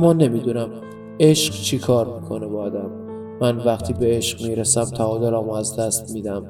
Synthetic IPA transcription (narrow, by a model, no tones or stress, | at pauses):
mːɒːne̞miːd̪uːnæm | e̞ʃɢt͡ʃʰikʰɒːɾmiːkʰo̞nebɒːd̪æmː | ænvæχt̪ʰiːbe̞eʃqmiːɾesæmt̪ʰæɒːd̪olɒːmæzd̪æst̪miːd̪æm